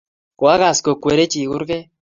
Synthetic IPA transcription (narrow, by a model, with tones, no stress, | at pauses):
kwa˦ɣa˨sko˨kwe˨ɾe˦t͡ʃi˨ku˦ɾkɛ˦